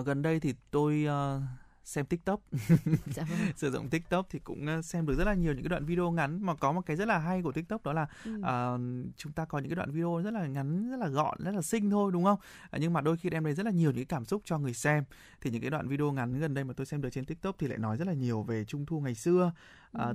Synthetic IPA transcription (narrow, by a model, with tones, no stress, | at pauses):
ɣə˨˩nɗə˧jt̪ʰi˨˩t̪o˧jəː˧ | sɛ˧mt̪i˦˥k̚t̪ə˦˥p̚ː | sɨː˧˩zo̰˧˨wŋ͡mt̪i˦˥k̚t̪ə˦˥p̚t̪ʰi˨˩kʊ̰˧˥ŋ͡msɛ˧mɨ˨˩k̚zə˦˥tlaː˨˩ɲi˨˩əwɨ̰˧˥aː˨˦wa̰ː˧˨vi˧o˧ŋa˨˦nmaː˨˩kɔ˨˦mo˨˩t̚kaː˨˦zə˦˥laː˨˩ɦa˧jk̬u˧˩ət̪ï˦˥k̚t̪ːp̚ɗɔ˨˦laː˨˩ʔəː˨˩t͡ɕʊ˨˦ŋ͡mt̪aː˧kɔ˨˦ɲɨ̰˧˥kːa˨˦w̰ːvi˧o˧zə˦˥laː˨˩ŋa˨˦nzə˦˥t̚laː˨˩ɣɔ̰˧˨nzə˦˥t̚laː˨˩sï˧ŋ̟t̪ʰo˧jɗʊ˨˦ŋ͡mxə˧wŋ͡m | ɲɨ˧ŋmaː˨˩ɗo˧jxi˧ʔɛ˧mɗə˧jzə˦˥t̚laː˨˩ɲi˨˩əwɲɨ̰˧kːa˨˦kaː˧˩msʊ˦˥k͡p̚t͡ɕɔ˧ŋɨ˨˩əjsɛ˧m | t̪ʰi˨˩ɲɨ̰˧˥ka˨˦ɗw̰ːvi˧ɗi˧o˧ŋa˨˦nɣə˨˩nɗə˧jma˨˩t̪o˧jsɛ˧mɗɨ˨˩t͡ɕe˧nt̪i˦˥k̚t̪ə˦˥p̚t̪i˨˩la̰ː˧˨nɔ˨˦jzə˦˥t̚laː˨˩ɲi˨˩əwve˨˩t͡ɕʊ˧ŋ͡mt̪ʰu˧ŋa˨˩jsɨ˧ə | ʔəː˨˩